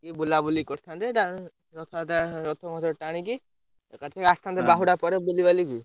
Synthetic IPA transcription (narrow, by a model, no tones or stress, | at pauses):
kibulabulikɔɾt̪ʰant̪eʈa | ɾɔt̪ʰat̪aɾɔt̪ʰɔmɔt̪ʰɔʈaɽ̃iki | kat͡ʃʰeast̪ʰant̪ebaɦuɽapɔɾebulibaliki